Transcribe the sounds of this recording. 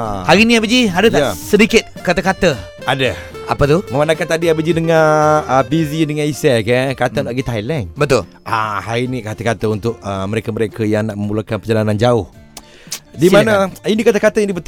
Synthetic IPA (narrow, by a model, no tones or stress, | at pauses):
haɾinĩabəd͡ʒiadət̪asədikɪt̪̚kat̪əkat̪ə | adə | apət̪uməmanakant̪adiabəd͡ʒidəŋaəpizidəŋanisɛkəkat̪ənt̪aʔɡit̪aɦajlɛŋbət̪ʊl | ʔahaɾinikat̪əkat̪əunt̪ʊk̚əməɾekəməɾekəjaŋnaʔməmulakanpəd͡ʒalanand͡ʒaʊh | dimanəinikat̪əkat̪əindibət̪